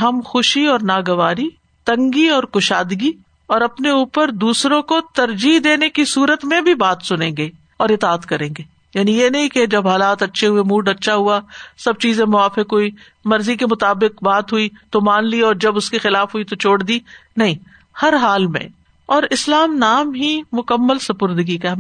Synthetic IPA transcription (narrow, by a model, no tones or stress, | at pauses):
ɦɐmxʊʃiɔːɾnaːɡɐʋaːɾi | t̪ɐ̃ŋɡiɔːɾkʊʃaːd̪ɡi | ɔːɾɐpneuːpəɾd̪uːsɾõkot̪ɐɾd͡ʒiɦd̪eːnekisuːɾət̪mẽbʱibaːt̪sʊnẽːɡeː | ɔːɾɪt̪aːt̪kɐɾẽːŋɡeː | jaːnĩjenɐɦĩked͡ʒɐbɦaːlaːt̪ɐtːʃʰeɦuemuːɖɐtːʃʰaɦuasɐb̚t͡ʃiːzẽmʊaːfɪkɦui | mɐɾzikemʊt̪aːbɪkbaːt̪ɦuit̪omaːnliɔːɾd͡ʒɐbʊskexɪlaːfɦʊit̪ot͡ʃʰoːɽd̪inɐɦĩ | hɐɾɦaːlmḛ̃ | ɔːɾɪslaːmnaːmɦimʊkəmːəlsɐpʊɾd̪əɡika